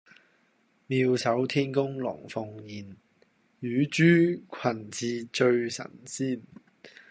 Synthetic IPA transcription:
miː˧wsɐ˨˥wt̪ʰiː˥nkʊ˥ŋlɔ̰ː˨˩ŋfʊ˧ŋjiː˨˩n | jyː˨˧˥t͡ʃyː˥kʷʰɐ˨˩nt͡siː˧t͡ʃɵ˧ɥsɐ̰˨˩nsiː˥˩n

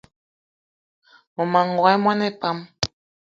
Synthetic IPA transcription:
mo˨ma˨ŋ˨ɡɔ˨ɛ˦mwa˦nɛ˦pa˦m

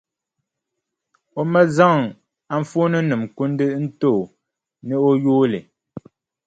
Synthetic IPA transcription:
o˦mɛ˦za˦˨ŋ | a˨ɱ˨fo˦nɨ˦nɨ˨mku˦n˦dɨ˦ʔn̩˦to˦˨ | nə˦o˦joː˦lḛ˨

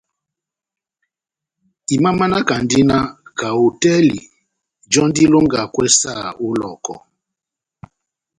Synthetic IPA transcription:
i˨ma˦ma˦na˦ka˨n˦di˦na˦ka˨o˨tɛ˦lḭ˨ | d͡ʒɔ˦n˦di˦lo˦ŋɡa˨kwɛ˦sa̰˦˨u˦lɔ̰˨kɔ̰˨

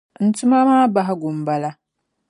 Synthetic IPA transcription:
n̩˨tʊ˦ma˦maː˦ba˦ɦa˦ɡʷʊ˨m˨ba˦la˦

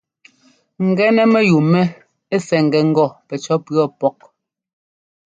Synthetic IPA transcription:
ŋ̩˨ɡɛ˦nɛ˦mɛ˦ju˨mɛ˦ | e˦sɛ˨ŋ̩˨ɡɛ˨ŋ̩˦ɡɔ˦˨pɛ˨t͡ʃɔ˨˦pɰɔ˦pɔ˦k̚

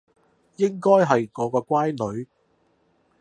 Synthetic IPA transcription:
jɪ˥ŋkɔː˥jɦɐ˨jŋɔː˨˧kɔː˧kʷwaː˥jnɵ˨˧ɥ

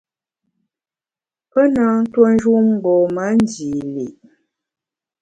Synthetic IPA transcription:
pə˦na˨˦n̩˦two˦n̩˦ʒu˦m˦ɡ͡bɔ˨ma˨˦n̩˦d͡ʒiː˨li˨ʔ

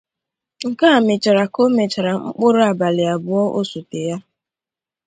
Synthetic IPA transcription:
ŋ̩˨ka˦a˨mɪ˨t͡ʃa˨ɾa˨ko˦me˨t͡ʃa˨ɾa˨ŋ͡m̩˦k͡pʊ˦ɾʊ˦a˨ba˨lɪ˨a˨bʊ˨ɔ˦ʔo˦su˨te˨ja˦

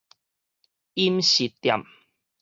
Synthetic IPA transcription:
i˦mɕi˨˩tt̪ːja̰˨m

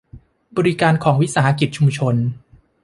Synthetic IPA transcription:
bɔː˧ɾi˦˥kaː˧nkʰɔː˩˦ŋwi˦˥saː˩˦ha˧k̬i˨˩t̪̚t͡ɕʰu˧mt͡ɕʰo˧n

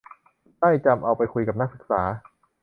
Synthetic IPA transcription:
ta˥˩jt͡ɕa˧mʔa˧wpa˧jkʰu˧jka˨˩p̚na˥˩k̚sɯ˨˩k̚saː˩˦

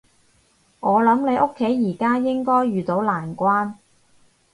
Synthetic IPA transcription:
ʔɔː˨˧lɐ˨˥mne˨˧jʔo˥kʰːe˨˥jːiː˨˩kaː˥jɪ˥ŋkɔː˥jɥyː˨t̪o˨˥wlaː˨˩nkʷaː˥n

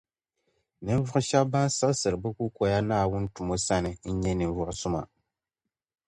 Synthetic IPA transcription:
nɨ˦ɱ˦vʊ˦ʔʊ˦ʃɛ˦b̚ba˦n˦sa˦lsɨ˨ɾɨ˨bɨ˦ku˦ko˨ja˦naː˦˨wʊ˦ntu˨mo˦sa˦nɨ˨n̩˦ɲɛ˦nɨ˨ɱ˦vʊ˨ʔʊ˦sʊ˦ma̰˨

